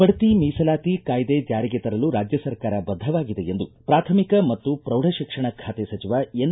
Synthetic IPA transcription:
pɐɽɐt̪imiːsɐlaːt̪ikaːjd̪ed͡ʒaːɾiɡet̪ɐɾɐluɾaːd͡ʒjɐsɐɾkaːɾɐbɐd̪ʱːɐʋaːɡid̪eend̪upɾaːt̪ʰɐmikɐmɐt̪ːupɾɐwɽʱɐʃikʂɐɳɐkʰaːt̪esɐt͡ʃiʋaːen

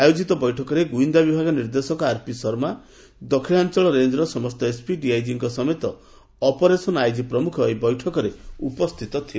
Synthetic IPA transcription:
ajod͡ʒit̪ɔbɔjʈʰɔkɔɾeɡuind̪abibʱaɡɔniɾd̪esɔkɔaɾpisɔɾma | d̪ɔkʰiɭant͡ʃɔɭɔɾend̪ɾɔsɔmɔst̪ɔespiɖiajd͡ʒiŋkɔsɔmet̪ɔ | ɔpɔɾesɔnajd͡ʒipɾɔmukʰɔjbɔjʈʰɔkɔɾeupɔst̪ʰit̪ɔt̪ʰie

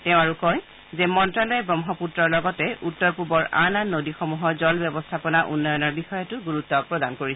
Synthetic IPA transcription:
tɛʊ̃aɹukɔj | zɛmɔntɹalɔjɛbɹɔmɦɔputɹɔɹlɔɡɔtɛutːɔɹpubɔɹʔa̰nanːodixɔmuɦɔzɔlbjɛbɔstʰapɔnaʔṵnːɔjɔnɔɹbixɔjɔtʊɡuɹutːɔpɹɔdankoɹis

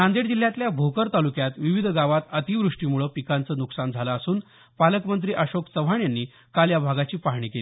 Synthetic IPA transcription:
ãnd̪eɽd͡ʑil̤ːjat̪ljabʱokəɾt̪alukjat̪ʋiʋid̪ʱɡaʋat̪ət̪iʋɾuʂʈiːmuɭəːpikant͡səːnuksand͡zʱaləːsuːn | paləkmənt̪ɾiːʔəɕoksəʋ̤aɳjanːiː | kaljabʱaɡat͡ɕiːpaɦɳ̃iːkeli

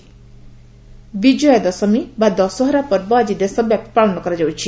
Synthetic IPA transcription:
bid͡ʒɔjɔd̪ɔsɔmibad̪ɔsɔɦɔɾapɔɾbɔd͡ʒid̪esɔbjap̚t̪ʰpaɭɔnɔkɔɾad͡ʒawt͡ʃʰi

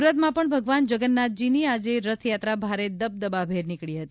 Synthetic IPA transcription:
uɾət̪mãpəɳbʱəɡʋand͡ʒəɡənːat̪̚d͡ʒiniad͡ʒeɾət̪ʰjat̪ɾabʱaɾed̪əb̚d̪əbabʱeɾnɪkɭiɦət̪i

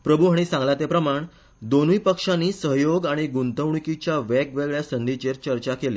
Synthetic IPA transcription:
pɾəbʱuɦaɽ̃isãŋɡlat̪epɾəmaɳ | d̪onuipəkʂanːiːsəɦjoɡaɽ̃iɡunt̪əʋɳkit͡ɕjaʋɛkʋeɡɭjasənd̪it͡ɕeɾt͡ɕəɾt͡ɕakeleː

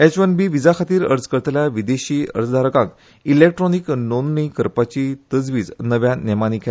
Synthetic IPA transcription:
ɛt͡ɕʋənbiːʋid͡zakʰat̪iːɾə̰ɾd͡zkəɾt̪ljaʋid̪eɕiːə̰ɾt͡sd̪ʱaɾəkãk | ilek̚ʈɾɔniknonnikəɾpat͡ɕit̪əd͡zʋiːd͡znəʋjanɛmanikʰe

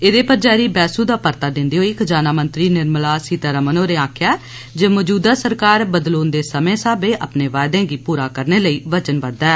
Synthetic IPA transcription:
eːd̪eːpəɾd͡ʒaːɾiːbɛːsuːd̪aːpəɾt̪aːd̪ɪnd̪iːɦoːikd͡ʒaːnaːmənt̪ɾiːnɪɾmlaːsiːt̪aɾəmənoːɾeːaːkʰjaː | d͡ʒəːməd͡ʒuːd̪aːsəɾkaːɾbəd̪loːnd̪eːsəmẽːsaːbeːʔa̰ːpneːʋaːjd̪ẽːɡiːpuːɾaːkəɾneːləiːʋət͡ʃənʋəd̪ɛː

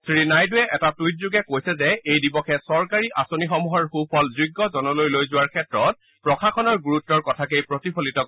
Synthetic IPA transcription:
sʰɹinajdʊɛʔɛtatujt̚zuɡɛkojsɛzɛejdibɔkʰɛsɔɹkaɹiʔasonixɔmuɦɔɹxupʰɔlziɡːɔzɔnɔlojlojzʊwaɹkʰɛtɹɔt̚ | pɹɔkʰakʰɔnɔɹɡuɹutːɔɹkɔtʰakejpɹotipʰolitɔ

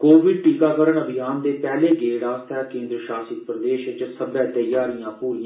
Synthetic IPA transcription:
koːʋɪɖ̚ʈiːkaːkəɾəɳəbʱɪjaːnd̪eːpɛːleːɡeːɽaːst̪ʰɛːkẽːnd̪ɾəʃaːsɪk̚pɾəd̪eːʃt͡ʃsəbãːt̪əjaːɾijãːpuːɾiːã

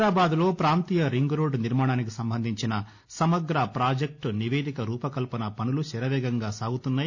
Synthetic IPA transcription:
ɾaːbaːd̪ulo̞ːpɾaːnt̪iːjɐɾiŋɡɾoːɖniɾmaːɳaːnik̬isɐmbʱɐnd̪ʱiɲt͡ʃinɐ | sɐmɐɡ̪ɾɐpɾaːd͡ʒek̚ʈniʋeːd̪ikɐɾuːpɐkɐlpɐnɐpɐnuluʃɛɾɐʋɛːɡɐŋɡaːsaːɡut̪unːaːj

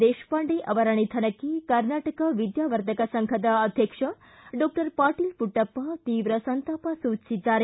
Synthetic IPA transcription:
d̪eʃpãɳɖeʔɐʋɐɾaɽ̃it̪ʰɐnəkikəɾnaʈəkəʋid̪jaʋəɾt̪ʰəkasəŋkʰət̪aəd̪ʱjəkʂə | ɖɔk̚ʈəɾpaʈilpuʈəpːat̪iːʋɾəsənt̪apasut͡ʃid͡ʒaɾ

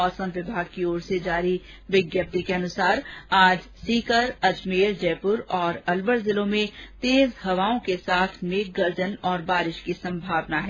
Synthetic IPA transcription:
ɔːsə̃mʋɪbʱaːɡ̚kioːɾsed͡ʒaːɾi | ʋɪɡjəp̚t̪ikeɐnʊsaːɾaːd͡ʒsiːkəɾɐd͡ʒmeːɾd͡ʒɛːpʊɾɔːɾɐlbəɾzɪlõmẽt̪eːzhɐʋaːõkesaːt̪ʰmeːk̚ɡɐɾd͡ʒənɔːɾbaːɾɪʃkisɐ̃mbʱaːʋnaɦɛː

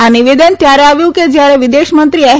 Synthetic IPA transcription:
aniʋed̪ənt̪jaɾaʋjuwked͡ʑjaɾeʋid̪eɕmənt̪ɾiaɦ

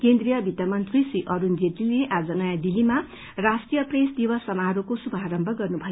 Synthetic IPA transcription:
kend̪rijʌbʱit̪amʌnt̪risiʔʌɾund͡zet̪ileʔad͡zʌnʌjad̪ilima | rasʈijʌpresd̪ibʌsʌmaɦɾukosubʱaɾʌmbʱʌɡʌrnubʱʌj

